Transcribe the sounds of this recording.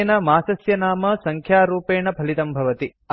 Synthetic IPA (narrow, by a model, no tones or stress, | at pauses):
nɐmaːsɐsjɐnaːmɐsɐŋkʰjaːɾuːpeːɳɐpʰɐlit̪ɐmbʱɐʋɐt̪i | ɐ